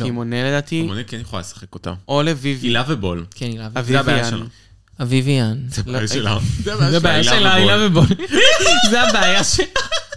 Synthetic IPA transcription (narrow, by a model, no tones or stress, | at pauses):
imoneled̪aːt̪imonekɛnjaχola̰lesḁχekot̪a̰ʔolevivilavebolkʰenilavaviabaja | avivianzɛljaelazɛzɛabajalʃelailavebol | zɛabeajaʃela